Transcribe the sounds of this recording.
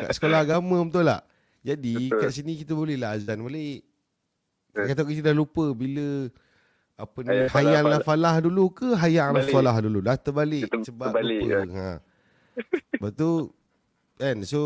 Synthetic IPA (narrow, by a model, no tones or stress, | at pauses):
ka̰ʔsə̥kolaɦaɡamə̃unt̪ula̰h | d͡ʒadikaʔsinikit̪əbolɛhlaazanbaleʔ | kat̪̬aʔkit̪̬ədahlupəbilə | apənihajanlafalahdulukəɦajaŋlaalahdululaht̪əbalɪʔsəbaŋhã̰ | bat̪u | ɛnso